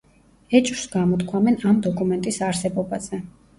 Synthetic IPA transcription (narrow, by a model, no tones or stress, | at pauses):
ɛt͡ʃʼɾsɡamɔt̪kʰwamɛnamd̪ɔkʼumɛnt̪ʼisaɾsɛbɔbaz̥ɛ